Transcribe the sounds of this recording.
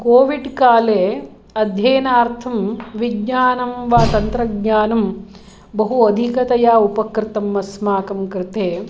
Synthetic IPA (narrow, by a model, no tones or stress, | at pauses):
koːʋiɖkaːleː | ɐd̪ʱjeːnaːɾt̪ʰɐmʋiɡɲaːnɐmʋaːt̪ɐnt̪ɾɐɡɲaːnɐm | bɐɦuɐd̪ʱikɐt̪ɐjaːupɐkɾɪt̪ɐmɐsmaːkɐmkɾɪt̪eː